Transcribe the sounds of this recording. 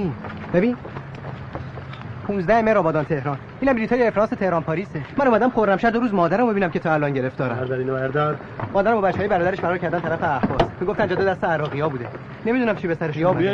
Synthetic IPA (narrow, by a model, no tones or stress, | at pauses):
nbebiːn | pʰũːnzd̪æhemeɾɒːbɒːd̪ɒnt̪ʰe̞hɾɒːn | iːnæmbiɾit̪ʰɒːjeefɾɒːnse̞t̪ʰe̞hɾɒːnpʰɒːɾiːsemænomæd̪æmxoɾːæmʃæɾd̪oɾuːzmɒːd̪æɾæmbeinæmcʰe̞t̪ʰɒːælɒːnɟe̞ɾe̞ft̪ɒːɾæ̰æɾd̪æɾinæɾd̪æ | mɒːd̪æɾæmbɒbæt͡ʃːehɒjbæɾɒːd̪æɾeʃfæɾɒːɾcʰæɾd̪ænt̪ʰæɾæfeæhbɒːsmiːɡoft̪ænd͡ʒɒːd̪od̪æst̪eæɾɒːɣijɒːbuːd̪e | ne̞mid̪unæmt͡ʃʰibesæɾeʃijɒːbu